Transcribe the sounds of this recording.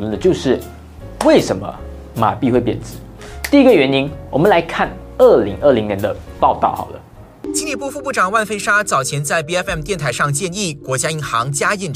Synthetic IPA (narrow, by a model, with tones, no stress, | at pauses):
lə˥˩nd̪ə˨˩t͡ɕjo˥˧ʊʂɻ̩˥˩ | we˥˩ɪʂə˧˥nmə̰˧ | ma̰˨˩pi˥˧xwe˥˩ɪpjɛ̰˨˩nt͡sɹ̩˧˩˦ | t̪i˥˩i˧˥ɡə˨ɥɛ˧˥ni˥ŋwɔ̰˨˩mə˦nla˧˥ɪkʰa˥˩n | ə˥˩li˧˥ŋʔə˥˩li˧˥ŋnjɛ˧˥nd̪ə˧pɑ˥˧ʊt̪ɑ˥˩ʊxɑ̰˨˩ʊd̪ə̰˦ | t͡ɕi˥nli˥˩pu˥˧fu˥˧pu˥˩ʈ͡ʂɑ˨˩ŋwa˥˩nfe˥ɪʂa˥t͡sɑ˨˩ʊt͡ɕʰjɛ˧˥nt͡sa˥˩ɪpi˥ɛ˥fɛ˥˩mt̪jɛ˥˩nt̪ʰa˧˥ɪʂɑ˥˧ŋt͡ɕjɛ˥˧ni˥˩kwɔ˧˥t͡ɕja˥i˧˥xɑ˧˥ŋt͡ɕja˥i˥˩n